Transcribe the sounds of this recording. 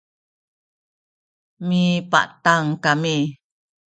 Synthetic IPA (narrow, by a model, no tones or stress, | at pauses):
mipa̰ʔt̪aŋkami